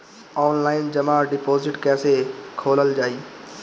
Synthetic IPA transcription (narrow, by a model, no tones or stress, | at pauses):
ɔːnlaːɪnd͡ʒɐmaːɖɪpoːzɪʈkɛːsekʰoːləld͡ʒaːiː